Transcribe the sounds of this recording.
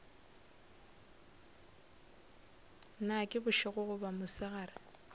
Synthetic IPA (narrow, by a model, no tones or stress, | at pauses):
nakʼɪbʊʃɪɣʊɣʊbamʊsɪɣara